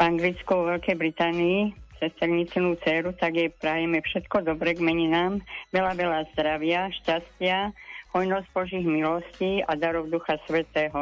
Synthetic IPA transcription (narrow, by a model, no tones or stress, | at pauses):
vaŋɡlit͡skuʋɔʋɛlkɛjbɾit̪aːniːt͡sɛst̪ɛɾɲit͡sɛnuːt͡sɛːɾut̪aɡjɛpɾajɛmɛfʃɛt̪kɔd̪ɔbɾɛɡmɛɲinaːmʋɛlaʋɛlaːzd̪ɾaʋɪaʃcascɪaɦɔjnɔzɟ̚bɔʒiːɣmilɔsciːad̪aɾɔwd̪uxasʋɛt̪ɛːɦɔ